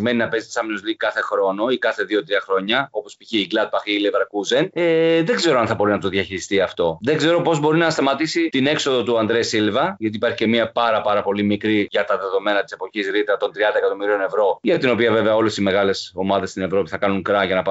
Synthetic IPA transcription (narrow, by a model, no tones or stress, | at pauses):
me̞ninɐpe̞zit̪isɐminozlikɐθe̞xɾo̞no̞ikɐθe̞ðio̞t̪ɾiɐxɾo̞ɲɐo̞po̞spiçeiɡlɐd̪̚bɐxilevɐɾkuzeneðeɡze̞ɾoɐnθɐbo̞ɾinɐt̪o̞ðʝɐçiɾist̪iɐft̪o̞ðe̞ɡze̞ɾo̞po̞zbo̞ɾinɐst̪ɐmɐt̪isit̪inekso̞ðo̞t̪uɐnd̪ɾesilvɐʝɐt̪̬ipɐɾçi̥ce̞miɐpɐɾɐpɐɾɐpo̞limikɾiʝɐt̪ɐðe̞ðo̞me̞nɐt̪i̥se̞po̞çisɾit̪ɾɐt̪o̞nt̪ɾiɐnd̪ɐekɐt̪o̞miɾio̞ne̞vɾo̞ʝɐt̪ino̞piɐve̞veɐo̞le̞sizme̞ɣɐle̞so̞mɐðe̞st̪ine̞vɾo̞piθɐkɐnuŋkɾɐʝɐnɐpɐ